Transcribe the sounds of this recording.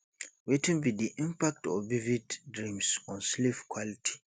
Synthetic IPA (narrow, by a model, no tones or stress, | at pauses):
wetʰĩnbidiʔĩmpak̚tɔvividdɹĩmsɔ̃nslifkʰwalitʰi̥